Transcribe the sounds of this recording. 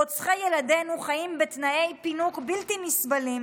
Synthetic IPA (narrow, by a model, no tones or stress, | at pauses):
ot͡sχajeladenuχaimbet̪naʔe̞jpinukbiltimisbalim